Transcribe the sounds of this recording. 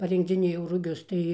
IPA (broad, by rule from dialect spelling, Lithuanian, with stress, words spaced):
pɐrʲɪŋɡd͡zʲɪˈnʲeːjɛʊ rʊˈɡʲʊs ˈtɐɪ